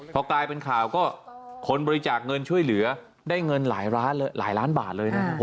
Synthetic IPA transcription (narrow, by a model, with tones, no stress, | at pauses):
pʰɔ˧klaː˧jpe˧nkʰaː˨˩wkɔː˥˩kʰo˧nbɔː˧ɾi˧t͡ɕaː˨˩k̚ŋɤ˧nt͡ɕʰu˥˩əjlɯ˩˦ɐ | daː˥˩jŋɤ˧nlaː˩˦jɾaː˦˥nlːlaː˩˦jlaː˦˥nba̰ː˨˩t̪̚lɤː˧jna˦˥kʰa˦˥pʰː